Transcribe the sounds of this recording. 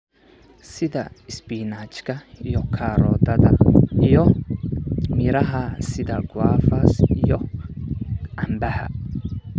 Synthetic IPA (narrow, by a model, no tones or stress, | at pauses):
sɪðɐɪsbiːnaːt͡ʃkʰɐijɔkʰaːɾɔːðɐðɐijɔ | mɪɾɐɦɐsɪðɐɡwaːfɐsijɔ | ʕɐmbɐhɐ̰